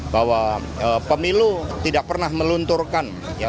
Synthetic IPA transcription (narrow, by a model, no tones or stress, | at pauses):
bawa | əpəmilut̪idak̚pərnahməlunt̪urkan | ja